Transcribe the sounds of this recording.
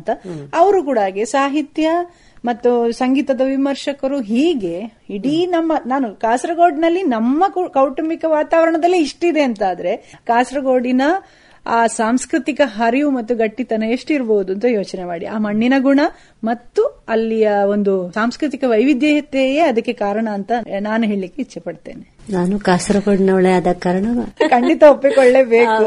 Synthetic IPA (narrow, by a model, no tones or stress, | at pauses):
nt̪ɐɐʋɐɾukuːɽaːɡesaːɦit̪jɐ | mɐt̪ːusɐŋɡiːt̪ɐd̪ɐʋimɐɾʂɐkɐɾuɦiːɡe̞ | iɽinɐmːɐnaːnukaːsɾɐɡoːɖnɐlːinɐmːɐkɐwʈɐmikɐʋaːt̪aːʋɐɾɐɳɐd̪ɐlːiːʂʈid̪e̞ɐnt̪aːd̪ɐɾe̞kaːsɾɐɡoːɖinɐ | aːsaːmskɾit̪ikɐɦɐɾijumɐt̪ːuɡɐʈːit̪ɐnɐeʂʈuiɾboːud̪uɐnt̪̬ɐjo̞ːt͡ʃnemaːɽḭaːmɐɳːinɐɡuɳɐ | mɐt̪ːuɐlːijɐo̞nd̪usaːmskɾit̪ikɐʋɐjʋid̪jɐɦɐt̪jejeɐd̪ɐkːe̞kaːɾɐɳɐːnt̪ɐnaːnuɦe̞ːɭilikːeit͡ʃːɐpɐɽt̪e̞̰ːnenaːnukaːsɾɐɡoːɖnɐʋɐɭeɐd̪ɐkaɾɐɳɐʋɐkʰɐɳɖit̪ɐopːikoɭːe̞ːbe̞ːku